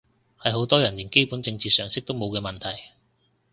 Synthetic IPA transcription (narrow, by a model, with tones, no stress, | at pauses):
hɐ˨jho˨˥wt̪ɔː˥jɐ˨˩nliː˨˩nke˥jpuː˨˥nt͡sɪ˧ŋt͡siː˧sœː˨˩ŋsɪ˥k̚t̪o˥wmo˨˧wkɛː˧mɐ˨nt̪ʰɐ˨˩j